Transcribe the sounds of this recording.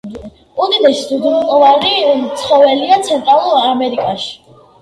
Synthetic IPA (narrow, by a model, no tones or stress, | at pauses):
ud̪id̪ɛʃisud̪miq̪ʼɔvaɾit̪sʰχɔvɛliat̪sʰɛnt̪ʼɾalˠuɾamɛɾikʼaʃi̥